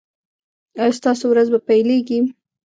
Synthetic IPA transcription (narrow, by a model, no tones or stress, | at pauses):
ɑjɑst̪ɑsowɾazbapajleɡi